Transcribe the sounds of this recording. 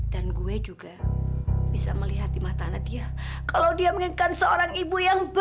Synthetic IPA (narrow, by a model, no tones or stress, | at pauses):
d̥anɡued͡ʒuɡa | b̥isa̰məliɦat̪̚dimat̪anadiakalawdiaməŋikansəoɾaŋibujaŋb